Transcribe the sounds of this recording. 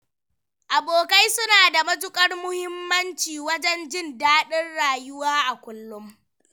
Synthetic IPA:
ʔa˨boː˨ka˦jsʊ˦naː˨da˨mɐ˦d͡ʒʊ˦kʼɐ˦rmʊ˦hɪ˦mːɐ˦nt͡ʃiː˨wɐ˦d͡ʒɛ˦nd͡ʒɪ˦ndaː˦ɗɪ˦rɽaː˨jʊ˦waː˦ʔa˨kʷʊ˦lːʊ˦m

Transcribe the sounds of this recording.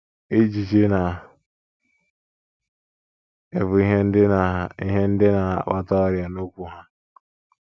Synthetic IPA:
e˦d͡ʒi˨t͡ʃe˦na˨ | e˨vʊ˨i˦ɦe˦n̩˦dḭ˦ɦe˦n̩˦dɪ˦na̰˨ɓa˦tɔ˦ɾja˨no˦kʷu˦ɦa˦

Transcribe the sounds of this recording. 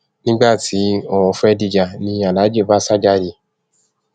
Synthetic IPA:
nĩ˦ɡ͡ba˦˨tʰi˨˦ɔ˧˨ɔ˧fɛ˦di˦˧d͡ʒa˧nĩ˧a˨la˨˦d͡ʒe˦˨ba˦sa˦d͡ʒa˦˨ɾi˧˨

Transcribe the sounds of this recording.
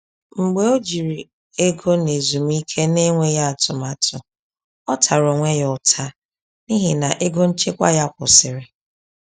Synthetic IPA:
ŋ͡m̩˨ɡ͡be˨o˦d͡ʒi˨ɾi˨ | e˦ɡo˦ne˨zu˨m˦i˦kʰe˦ne˦ŋʷe˦ja˦a˨tʊ˨ma˨tʰʊ˨ | ɔ˦tʰa˨ɾo˨ŋʷe˦jɔ˨tʰa˦ | ni˦ɦɪ˨na˨ʔe˦ɡo˦n̩˦t͡ʃe˦kʷa̰˦ja˦˨kʷʊ̰˨sɪ˨ɾɪ˨

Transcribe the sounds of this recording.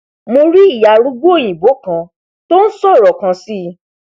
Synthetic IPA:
mo˧ɾi˦i˦˨ja˨ɾu˦ɡo˦o˦˨j̃ĩ˨bo˨˦kã˧ | to˦n̩˦sɔ̃˦˨ɾɔ˨kã˧si˦˧

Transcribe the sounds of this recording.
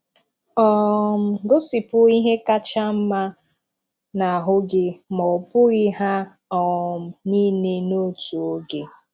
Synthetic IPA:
ɔ˦m̩˨ɡʊ˦si˨pʊ˦i˦ɦe˦ka˦t͡ʃa˦m̩˦ma˦ | na˨a˨ɦʊ˦ɡɪ˦mɔ˨pʊ˦i˦ɦa˦ | ɔ˨m̩˨ni˦ne˦no˦tu˨o˦ɡe˨

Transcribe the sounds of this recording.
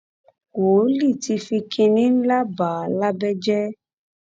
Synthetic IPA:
wo˨˦li˦˨ti˧fi˧kʰi˧nĩ˦n̩˦la˦ba˨la˦bɛ˦d͡ʒɛ˦

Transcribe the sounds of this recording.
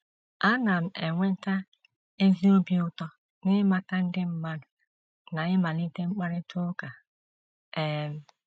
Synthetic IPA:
a˦na˨m̩˨e˨ŋʷe˦n̩˦ta˦ | e˦zi˦o˦bi˦ʊ˦tɔ˦ | nɪ˦ma˨ta˦n̩˦dɪ˦m̩˨˦ma˦nʊ˨ | na˨ɪ˦ma˨li˦te˦ŋ͡m̩˦k͡pa˦ɾɪ˦tʰʊ˦ka˨ | e˦˨m̩˦˨

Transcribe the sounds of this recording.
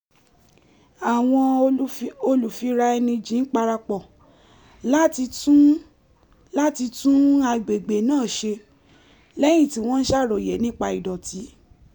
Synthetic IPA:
a˨w̃ɔ̃˧˦ | o˧lu˨fi˧˦ɾa˧ɛ˧nĩ˧d͡ʒĩ˨˦k͡pa˧ɾa˧k͡pɔ˨ | la˦ti˧tu˦ | la˦ti˧tũ˦a˧ɡ͡be˨ɡ͡be˨nãː˦˨ʃe˧ | lɛ˦j̃ĩ˦˨ti˨˦w̃ɔ̃˦n̩˦ʃa˦˨ɾo˨jɛ˨˦nĩ˦k͡pa˧i˨dɔ˨ti˨˦

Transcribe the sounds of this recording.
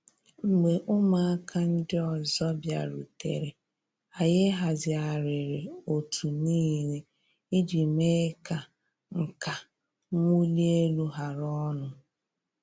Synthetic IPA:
ŋ͡m̩˨ɡ͡be˨ʔʊ˦ma˨a˦kʰa˦n̩˦dɪ˦ɔ˨zɔ˦bja̰˨ɾṵ˨tḛ˨ɾe˨ | a˨je˦ɦa˨zɪ˨a˨ɾɪ˨ɾɪ˨o˨tʰu˨niː˦ɾe˨ | i˦d͡ʒi˨me˦ka˨ | ŋ̩˨ka˨ | ŋʷu˦li˦e˦lu˦ɦa˨ɾɔ˦nʊ˨

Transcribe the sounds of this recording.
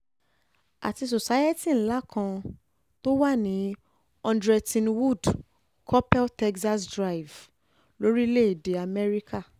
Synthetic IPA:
a̰˨ti˧s̬o˨sa˦je˦ti˦˨ñ̩˦la˦kʰã˧ | to˦wa˦˨nĩ˨˦ | ɔ̃˧ndɾɛ˧tĩ˧nwu˦˨d | kʰɔ˦pɛ˦tɛ˦ksa˦sdɾa˦i˨v | lo˦ɾi˦le˦i˨de˨˦a˨mɛ˦ɾi˦ka˦˨

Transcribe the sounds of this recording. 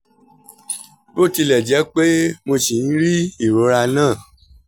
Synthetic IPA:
bo˦˨ti˧lɛ˨d͡ʒɛ˨˦k͡pe˦mo˧ʃi˨n̩˦ɾi˦i˦˨ɾo˨˦ɾa˧nãː˦˨

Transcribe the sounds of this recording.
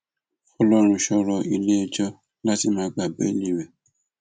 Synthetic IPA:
ɔ˧lɔ˦ɾ̃ũ˧ʃɔ˧ɾɔ˧ʔi˧le˦ɛ˧d͡ʒɔ˦ | la˦ti˦mãː˧˦˧ɡ͡ba˨bḛ˦lĩ˦˨wɛ˨

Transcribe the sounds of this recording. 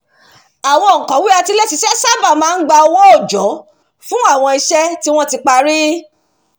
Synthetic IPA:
a˨w̃ɔ̃˧˨kɔ̃˨˦wi˦a˧ti˧lɛ˦ti˧ʃɛ˦sa˦ba˦˨mãː˨˦˧ɡ͡ba˧ɔ˧wɔ̃˦o˦˨d͡ʒɔ˨˦ | fũ˦a˦˨w̃ɔ̃˧i˧ʃɛ˦ti˦w̃ɔ̃˦ti˧k͡pa˧ɾi˦

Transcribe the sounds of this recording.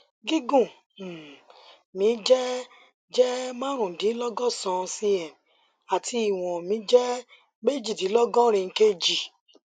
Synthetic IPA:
ɡi˦ɡũ˦˨ | mĩ˨˦d͡ʒɛ˦ | d͡ʒɛ˦mã˦ɾ̃ũ˨dĩ˨˦lɔ˦ɡɔ˦sɔ̃˧si˧ɛ˨m | a˨tʰi˧i˨w̃ɔ̃˨mĩ˨˦d͡ʒɛ˦ | me˦d͡ʒi˨dĩ˨˦lɔ˦ɡɔ̃˦ɾ̃ĩ˧ŋ̩˦ke˦d͡ʒi˨

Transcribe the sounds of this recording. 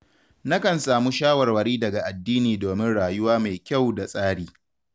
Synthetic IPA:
na˦kɐ˨nsaː˨mu˦ʃaː˦wɐ˨rwɐ˨ɽiː˦dɐ˨ɡa˨ʔa˨dːiː˦niː˨doː˨mɪ˦nɽaː˨jʊ˦waː˦ma˨jkʲa˦˨wda˨sʼaː˦ɽiː˦

